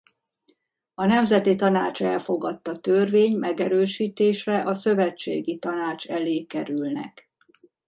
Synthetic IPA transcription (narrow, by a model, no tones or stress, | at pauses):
ɒnɛmzɛt̪it̪ɒnaːt͡ʃɛlfo̞ɡɒt̪ːɒt̪ørveːɲmɛɡɛɾøːʃiːt̪eːʃrɛʔɒsøvɛt͡ʃːḛːɡit̪ɒnaːt͡ʃɛleːkɛɾylnɛ̰k